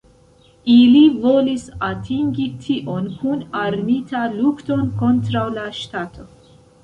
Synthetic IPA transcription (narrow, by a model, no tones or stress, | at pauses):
ilivolisatʰiŋɡitʰiʔonkʰunaɾmitalukto̞nkontɾawlaʃtat̪ʰo